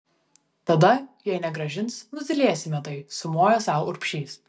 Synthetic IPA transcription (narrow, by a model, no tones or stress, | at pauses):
t̪ɐd̪ɐjɛɪnʲɛɡɾɐʒʲɪnsnʊzʲɪlʲeɛsʲɪmʲɛt̪ɐɪsʊmoːjɛsɑˑʊʊɾʲpʲʃʲiːs